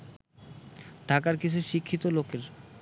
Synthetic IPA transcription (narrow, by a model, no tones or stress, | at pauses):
ɖʱakaɾkit͡ɕʰuʃikʰːit̪olokeɾ